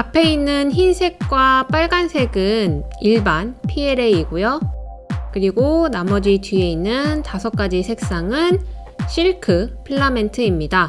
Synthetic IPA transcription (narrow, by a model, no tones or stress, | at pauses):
apʰe̞inːɯnçinsʰe̞k̚k͈wap͈aɭɡansʰe̞ɡɯniɭbanpʰie̞ɾe̞iɡojo | kɯɾiɡonamʌd͡ʑitɥie̞inːɯntasʰʌk͈ad͡ʑisʰe̞k̚s͈aŋɯn | ɕʰiɭkʰɯpʰɯɭːame̞ntʰɯimɲida